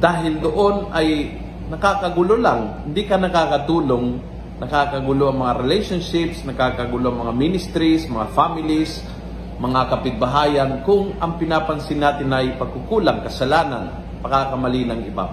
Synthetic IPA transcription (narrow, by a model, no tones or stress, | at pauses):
d̪aːɦɪld̪oʔo̞nɐj | nɐkakɐɡʊlolaŋhɪnd̪ikɐnɐkaːkɐt̪uːloŋ | nɐkakɐɡʊloʔɐŋmɐŋaɾɛlɛjʃonʃɪpsnɐkakɐɡʊloʔɐŋmɐŋaminɪst̪ɾismɐŋafamɪlis | mɐŋakɐpɪd̪̚bɐɦaːjɐnkʊŋʔɐŋpɪnaːpɐnsɪnːaːt̪ɪnɐjpɐɡ̚kʊkuːlaŋkɐsɐlaːna̰n | pɐkaːkɐmɐlinɐŋɪba̰